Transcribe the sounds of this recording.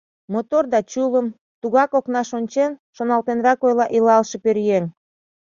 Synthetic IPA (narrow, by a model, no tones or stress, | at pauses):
mot̪ord̪ɑt͡ɕuləm | t̪uɣɑkoknɑʃonʲt͡ɕenʃonɑlt̪enɾɑkojlɑʔilɑlʃepøɾjeŋ